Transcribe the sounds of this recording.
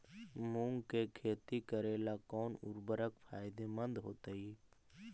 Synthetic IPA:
mũːŋɡkekʰeːt̪ikəɾeːlakɔːnʊ̰ɾbəɾəkfʰaːɪd̪emə̃nd̪ɦoːt̪əiː

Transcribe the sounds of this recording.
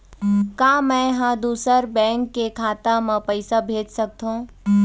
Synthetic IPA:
kãːmɛ̃ɦãd̪uːsəɾbɛ̃ːŋkːekʰaːt̪amẽpəɪsabʱeːd͡ʒsɐk̚t̪ɦõː

